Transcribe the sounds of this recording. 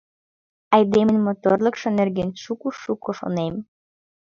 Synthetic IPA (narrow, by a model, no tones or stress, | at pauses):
ɑjd̪emɘ̆nʲmot̪orlˠɤ̆kʃŏnerɡenʃukuʃukoʃo̰nem